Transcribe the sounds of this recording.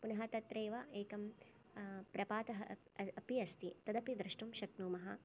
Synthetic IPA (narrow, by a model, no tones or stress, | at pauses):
punɐɦɐt̪ɐt̪ɾeːʋɐʔeːkɐm | pɾɐpaːt̪ɐɦɐɐpiɐst̪it̪ɐd̪ɐpid̪ɾɐʃʈumʃɐknuːmɐɦɐ